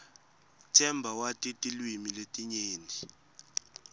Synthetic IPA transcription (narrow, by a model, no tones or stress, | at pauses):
tʰɛmbʱawatʼitʼilwimiletʼiɲeːndʱi